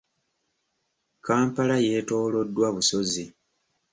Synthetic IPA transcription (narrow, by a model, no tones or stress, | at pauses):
kaːmpalaje̞ːto̞ːlo̞dːwaβuso̞zi